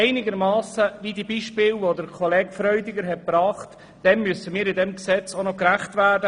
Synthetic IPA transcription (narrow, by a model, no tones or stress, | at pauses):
ɛɪnɪɡəɾmɑːsəʋidiːbiːʃpɪːlvodəɾkʰɔlɛːɡfɾœʏdɪɡəɾɦɛt̚pɾɑːχt | d̥ɛnmysəmiːɾɪdɛmksɛt͡sonɔkɾæχtvæːɾdə